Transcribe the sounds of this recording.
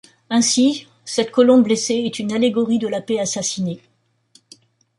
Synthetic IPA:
ɛ̃si | sɛt̪kɔlɔ̃bleseɛt̪ynaleɡɔʁid̪əlapeasasine

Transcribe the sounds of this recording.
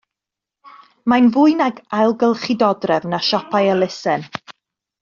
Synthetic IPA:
majnvʊːɨnaɡajlˠɡəlˠχɪdɔdrɛvnaʃɔpʰajəlˠɪsɛn

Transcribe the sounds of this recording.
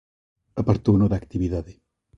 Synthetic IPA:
ɐpaɾt̪onoðak̚t̪iβiðaðe

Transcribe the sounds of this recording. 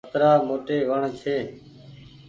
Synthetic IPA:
ət̪ɾaːmoːʈeːʋəɳt͡ʃʰeː

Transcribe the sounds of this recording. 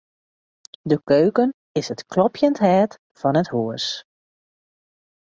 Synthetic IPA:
dəkøːkən | ɪsətklɔpjəntɦɛːt | fɔnəthuəs

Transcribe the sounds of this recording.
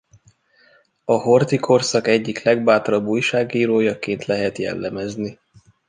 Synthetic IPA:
ɒɦo̞rt̪ikʰo̞rsɒkɛɟːiklɛɡbaːt̪ɾɒbːuːjʃaːɡiːɾoːjɒkeːnt̪lɛɦɛt̪jɛ̰lːɛmɛzni

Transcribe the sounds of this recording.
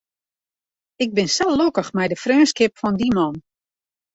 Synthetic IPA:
ɪɡ̚bɪnsɛlokəxmɛjdəfrøːnskɪpfɔndimɔn

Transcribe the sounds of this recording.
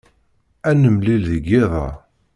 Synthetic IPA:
ænəmlilðəɡːɪðˤɑ̰

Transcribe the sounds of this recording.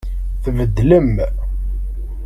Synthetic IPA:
θvəd̪ːləm

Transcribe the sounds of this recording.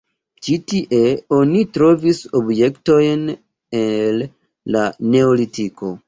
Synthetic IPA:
t͡ʃitiʔe̞o̞nitɾo̞viso̞bje̞kto̞jn | elː | ane̞olitiko̞

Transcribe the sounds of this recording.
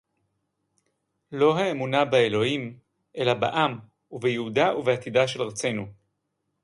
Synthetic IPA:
lo̞ɦaemunabaelo̞him | ʔe̞laba̰ʔam | uvejeudauveat̪idaʃe̞lʁat͡se̞nu

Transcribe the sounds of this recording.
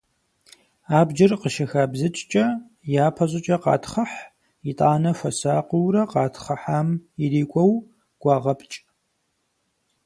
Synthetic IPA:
aːbd͡ʒɪrqəʃɐxaːbzɨt͡ʃʼt͡ʃʼɐ | jaːpʰɐʑʼɪt͡ʃʼɐqɑ̰ːtʰχɐħ | itʼaːnɐfɐsaːqəwrɐqɑːtʰχɐħaːmiriːkʷʼɔw | ɡ̥ʷɑːʁɐpʼt͡ʃʼ

